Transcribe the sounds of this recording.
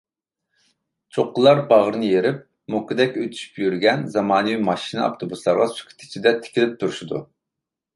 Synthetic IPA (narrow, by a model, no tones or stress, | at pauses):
t͡ʃʰoqːəlˠɑɾbɑʁəɾɨnɨjeɾɪp̚ | mukɨd̪ɛkʲøt̪ʰy̥ʃy̥pjyɾɡʲɛnzɑmɑːnɨwimɑʃinɨɑ̰ft̪ʰobuslˠɑɾʁɑsʰy̥kʲʰi̥t̪ʰɪ̥t͡ʃʰid̪ɛt̪ʰɪ̥kʲʰilɪp̚t̪ʰuɾʃid̪ṵ